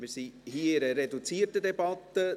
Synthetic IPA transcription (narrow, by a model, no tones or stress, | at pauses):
miːɾsihiːɪɾəɾedut͡siːrtədebɑt̪ə